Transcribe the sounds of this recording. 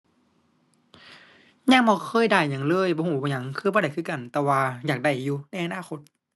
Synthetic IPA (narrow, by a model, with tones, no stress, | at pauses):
ɲa˧˨ŋbɔː˧kʰɤː˧˥˨jda˧˩jɲa˧˩˦ŋlɤː˧˥˨jbɔ˧˦huː˧˩bɔː˧˨ɲa˧˦ŋkʰɯː˧bɔː˧ɾa˨˩jkʰɯ˧˩˨ka˨˩nt̪ɛː˧waː˧jaː˨˩k̚da˧˩jːuː˧na˧˥˨jʔa˧naː˧˨xʰo˧˦t̪̚